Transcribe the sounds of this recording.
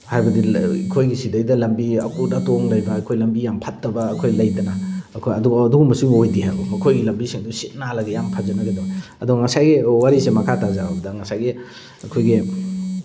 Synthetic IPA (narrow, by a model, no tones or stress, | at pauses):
hajbɐdḭkʰojɡisidejdɐlɐmbiɐkutatoŋlajbɐːkʰojlɐmbijampʰatːɐbɐːkʰojlɐjtɐnaːkʰojɐduɡaduɡumbɐsimojdiɦajumɐkʰojɡilɐmbisiŋdusit̚nalɐɡejampʰazɐnɐɡedawɐduɡŋɐsajɡiwaɾisemɐkʰatazaabɐdɐŋɐsajɡi | ɐkʰojɡi